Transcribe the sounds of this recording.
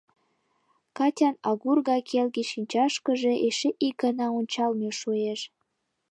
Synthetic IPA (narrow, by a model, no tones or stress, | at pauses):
kɑtʲɑnɑɣurɣɑkʰelɣeʃinʲt͡ɕɑʃkə̆ʒeʔeʃeʔik̚ɡɑnɑunʲt͡ɕɑlmeʃueʃ